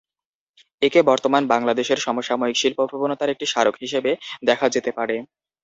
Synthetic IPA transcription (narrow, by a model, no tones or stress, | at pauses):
ekebɔɾt̪omanbaŋlad̪eʃeɾʃɔmoʃamoikʃilpopɾʱobonot̪aɾek̚ʈiʃaɾokɦiʃebed̪ɛkʰad͡ʑet̪epaɾe